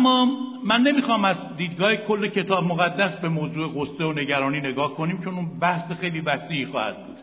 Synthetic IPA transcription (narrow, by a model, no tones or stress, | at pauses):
æmːɒːmænːe̞miːxɒːmæzd̪iːd̪ɡɒːhekʰo̞lːe̞cʰe̞t̪ʰɒːbmoɣæd̪ːæsbe̞moːzuːeɣosːeone̞ɟæɾɒːniːne̞ɡɒːhko̞niːmt͡ʃʰo̞nunbæhsexe̞jliːvæsiːixɒ̰ːhæ̰d̪̥̚bṵːd̪̥